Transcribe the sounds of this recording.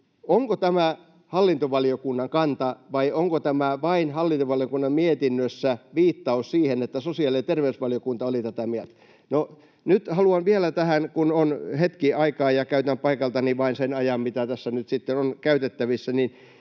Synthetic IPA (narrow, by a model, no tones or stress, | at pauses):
oŋkot̪æmæ | hɑlːint̪oʋɑliokunːɑŋkɑnt̪ɑʋɑioŋkot̪æmæʋɑinhɑlːint̪oʋɑlijokunːɑmmiet̪inːøsːæʋiːt̪ːɑussiːhenet̪ːæsosiɑliet̪erʋeysʋɑljokunt̪ɑolit̪æt̪æmielt̪æ̥ | no | nyt̪hɑluɑnʋielæt̪æhænkunonhet̪kiɑikɑːjjɑkæyt̪æmpɑikɑlt̪ɑniʋɑinsenɑjɑmmit̪æt̪æsːænyt̪sit̪ːenonkæyt̪et̪ːæʋisːænin